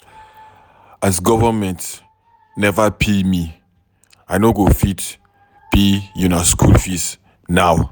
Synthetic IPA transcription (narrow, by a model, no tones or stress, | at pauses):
asɡɔvəmɛ̃nt | nɛvəpʰemi | ajnoɡofit | bijĩnaskʰṵlfis | naw